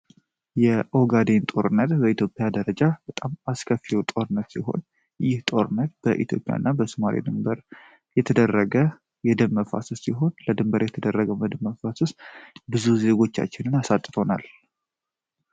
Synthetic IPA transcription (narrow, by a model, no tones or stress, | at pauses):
jɛʔoɡad̪e̞nt̪ʼo̞ɾɨnːət̪bəit̪ʰjo̞pʼːjad̪əɾəd͡ʒabət̪ʼamaskʰəfiwt̪ʼo̞ɾɨnːət̪siɦo̞̰n | jːɪht̪ʼo̞ɾɨnːət̪̚b̥əʔit̪ʰjo̞̰pʼːja̰nːabəsɨmaɾḭd̪ɨmbəɾ | jɛt̪ʰəd̪ərːəɡə | jɛd̪əmːəfa̰susiɦo̞nləd̪ɨmbəɾjɛt̪ʰəd̪ərːəɡəwməd̪əmːəfasusbɨzuze̞ɡo̞t͡ʃːa̰t͡ʃːɪnɨnasat̪ʼːt̪ʰo̞na̰l